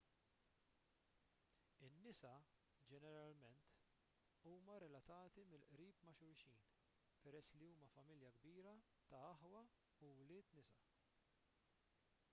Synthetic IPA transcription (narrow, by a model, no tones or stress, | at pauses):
ɪnːɪsɐ | d͡ʒɛnɛɾɐlmɛnt̪ | uːmɐɾɛlɐt̪ɐːt̪imɪlʔɾiːpmɐʃʊɾʃiːn | pɛɾɛsːliuːmɐfɐmɪljɐɡbiːɾɐ | t̪ɐɐħwɐ | uwlɪːt̪nɪsɐ